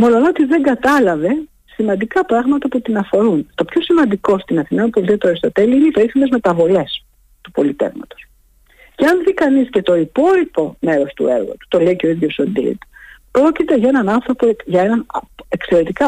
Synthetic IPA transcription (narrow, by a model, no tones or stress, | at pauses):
mo̞lo̞not̪izðe̞ŋɡɐt̪ɐlɐve̞ | simɐ̃nd̪ikɐpɾɐɣmɐt̪ɐput̪inɐfo̞ɾunt̪o̞pço̞simɐnd̪iko̞st̪inɐθimenpo̞lit̪iɐt̪uoɾist̪ot̪e̞liineipeɾiθime̞zme̞t̪ɐvo̞le̞s | t̪upo̞lit̪e̞̰vmɐ̰t̪o̥s | ceɐnðikɐnisce̞t̪o̞ipo̞lipo̞me̞ɾo̞st̪ṵe̞̰ɾɣo̰t̪u̥t̪o̞le̞iceo̞iðʝo̞sond̪ḭḭt̪pɾo̞cit̪e̞ʝɐe̞nɐnɐnθɾo̞poʝɐe̞nɐne̞kse̞ɾe̞t̪ikɐ